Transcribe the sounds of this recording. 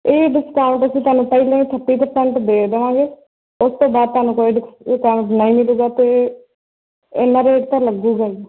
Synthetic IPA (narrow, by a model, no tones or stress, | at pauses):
eːɖɪskaːʊ̃ɳʈəsĩːt̪ʊaːnũːpəiːlẽːʈʰəʈːiːpəɾsɛ̃ɳʈd̪eːd̪əʋãːɡeː | ʊst̪õːbaːd̪̚t̪aːnũːkoːiːɖɪkkaːʋʊ̃ɳʈnəĩːmɪluːɡaːt̪eː | ɪnːãːɾeːʈt̪ãləɡuːɡaːi